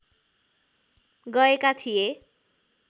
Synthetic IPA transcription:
ɡʌekat̪ʰije

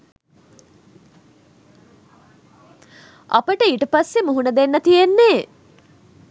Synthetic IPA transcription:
a̰pəʈəiːʈəpasːemuɦunəd̪enːət̪ijenːeː

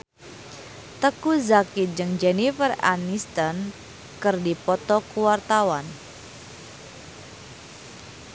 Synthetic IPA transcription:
t̪əkuzakit̪̚d͡ʒɨŋd͡ʒɛnifəra̰nist̪ɔn | kɨrdipɔt̪ɔkuwart̪awan

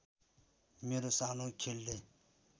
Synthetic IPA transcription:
miɾsanokʲʰilːe

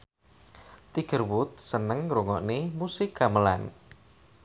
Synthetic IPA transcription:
t̪iɡ̥ə̤rwut̪̚sənəŋɾuŋɔʔnemusɪɡaməla̰n

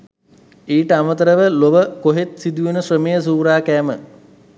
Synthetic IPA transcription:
iːʈəamət̪əɾəʋəloʋəkoɦet̪sid̪ujunəsrəmejəs̬uːɾaːkæːmə

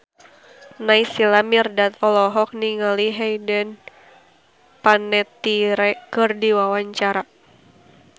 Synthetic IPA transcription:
naisilamirdat̪ɔlɔɦɔk̚niŋaliɦɛjdən | panɛt̪iɾɛkɨrdiwawaɲt͡ʃaɾa

